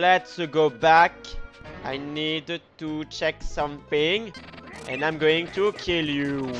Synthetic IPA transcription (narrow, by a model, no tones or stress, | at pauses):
lɛtsɡobakʔajnidtut͡ʃɛksʌ̃mθɪ̃ŋɛ̰̃nãɪ̃mɡoɪ̃ŋtʰukʰilju